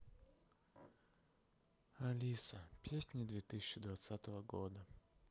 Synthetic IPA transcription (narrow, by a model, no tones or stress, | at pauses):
ɐlʲisəpʲesʲnʲɪd̪vʲet̪ɨsʲɪ̥t͡ɕːɪd̪vat̪sat̪əvəɡod̪ə